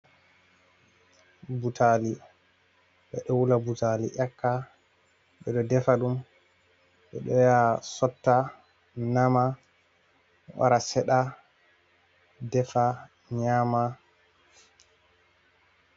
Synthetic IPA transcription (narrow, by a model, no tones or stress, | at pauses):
butʰali | ɓɛɗɔwulabutalḭʔakːa | ɓɛɗɔdɛfaɗum | ɓɛ̰ɗɔjasɔtːa | nama | wa̰ɾasɛɗa | dɛfa | ɲama